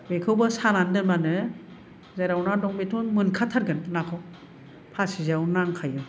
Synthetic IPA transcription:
bekʰɯwbasanandɯmanɯ | zajɾawnadɔŋbetʰɔnmɯnkʰatʰaɾɡɯnːakʰɯw | pʰasizawnaŋkʰajɯm

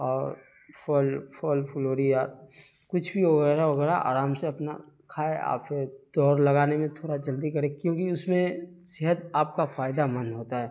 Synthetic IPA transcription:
ɔːɾ | pʰɔlpʰɔlpʰʊloːɾija | kʊt͡ʃʰbʱiʋɐɣɛːɾaʋɐɡɛːɾaʔa̰ːɾaːmseɐpna̰ | kʰaːea̰ːpeɾd̪̥ɔːɾlɐɡaːnemẽt̪ʰoːɽad͡ʒɐld̪ikɐɾẽkjõːkiʊsmẽ | seɦət̪aːp̚kafaːjd̪amɐ̃nɦoːt̪aɦɛː

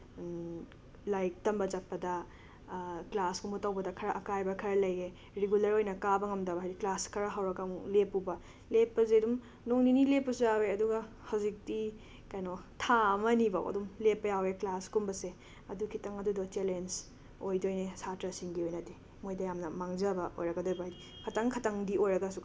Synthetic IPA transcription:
lajk̚tɐmbɐd͡ʒɐt̚pɐdɐ | klaskumbutawbɐdɐkʰɐɾɐʔɐkajbɐkʰɐɾɐlɐje | ɾeɡulɐɾojnɐkabɐŋɐmdɐbɐɦajɾiklaskʰɐɾɐɦawɾɐkɐlepːubɐ | lepːɐzedum | noŋninilepːɐsujaweɐduɡɐ | hawzik̚ti | kajnotʰamɐniba̰wɐ̰dumlepːɐjaweklaskumbɐse | ɐdukʰitɐŋɐdudotelens | ojdojnesatɾɐsiŋɡiojnɐte | mojdɐjamnɐmaŋzɐbɐʔo̰jɾɐɡɐdojbɐɦajdi | kʰɐtɐŋkʰɐtɐŋdiʔojɾɐɡɐsu

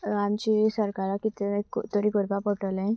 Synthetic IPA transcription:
amt͡ɕisəɾkaɾakit̪ekt̪oɾikoɾbapɔʈəlẽ

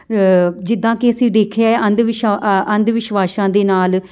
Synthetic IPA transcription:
d͡ʒɪd̪ːãːkeəsĩːɖ̪eːkʰeaːeːʔə̃nd̪ʋɪʃə̃nd̪ʋɪʃʋaːʃãːd̪eːnaːl

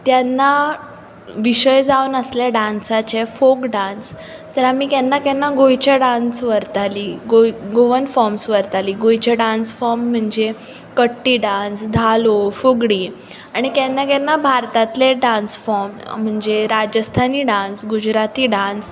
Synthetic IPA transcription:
t̪janːa | ʋiɕəjd͡zaunəslaɖãnsat͡ɕefokɖãns | t̪əɾamiːkɛnːakɛnːaɡojt͡ɕaɖãnsʋəɾt̪aliːɡojɡoʋənfɔɾmsʋəɾt̪aliːɡojt͡ɕeɖãnsfɔɾm̤ːəɳd͡ze | kəʈːiːɖãnsd̪ʱalofoɡɽiː | aɽ̃ikɛnːakɛnːabʱaɾt̪at̪leɖãnsfɔɾm̤ːəɳd͡zeɾad͡ʑəst̪ʰaniːɖãnsɡud͡ʑɾat̪iːɖãns

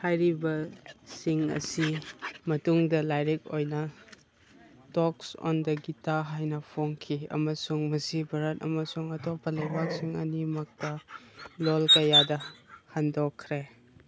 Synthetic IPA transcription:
hajɾibɐsiŋɐ̰simɐtuŋdɐlajɾik̚ojnɐ | tɔksɔ̰ndɐɡitaɦajnɐpʰoŋkʰiɐ̰mɐsuŋmɐsibʱɐɾɐt̚ɐ̰mɐsuŋɐtopːɐlejbak̚siŋɐ̰nimɐk̚tɐlolkɐjadɐhandokʰːɾe

